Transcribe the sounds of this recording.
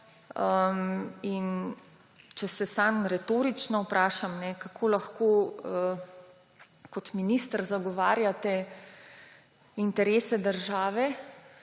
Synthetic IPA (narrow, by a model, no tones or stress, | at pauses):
əmin | t͡ʃɛsɛsamɾɛt̪oːɾit͡ʃnɔpɾʔaːʃamnɛkakʰoːlaxkoːə | kɔt̪minist̪əɾzaɡɔʋaːɾjat̪ɛ | int̪ɛɾeːsɛd̪əɾʒaːʋɛ